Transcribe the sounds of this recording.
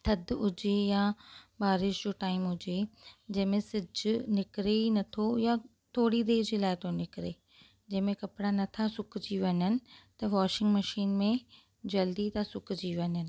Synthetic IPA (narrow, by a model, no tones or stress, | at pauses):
t̪ʰɐd̪ʊd͡ʑejabaːɾɪʃd͡ʑoːʈaːɪmɦʊd͡ʑed͡ʑɐ̃ɦɪ̃mẽsɪd͡ʑnɪkɾenɐt̪ʰoja | t̪ʰoːɽid̪eːd͡ʑeːlaːɪt̪ʰonɪkɾe | d͡ʑɐ̃ɦɪ̃mẽkɐpɽanɐt̪ʰasʊkʰd͡ʑiːʋɐɲənɪ̆t̪ɐʋɔːʃɪ̃ŋɡmɐʃiːnmẽ | d͡ʑɐld̪it̪ʰasʊkʰd͡ʑiːʋɐɲɦənɪ̆